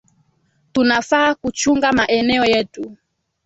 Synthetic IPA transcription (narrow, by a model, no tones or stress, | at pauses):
tunafaːkut͡ʃuŋɡamaʔɛnɛɔjɛtu